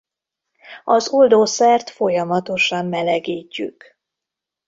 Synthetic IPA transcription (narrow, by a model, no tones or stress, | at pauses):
ɒzold̪oːsɛrt̪fo̞jɒmɒt̪o̞ʃɒmːɛlɛɡiːcːy̰k